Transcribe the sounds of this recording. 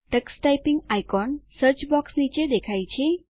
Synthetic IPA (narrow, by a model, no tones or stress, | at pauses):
ʈəksʈajpiŋɡajkɔnsəɾt͡ʃbɔksnit͡ʃed̪ekʰajt͡ʃʰe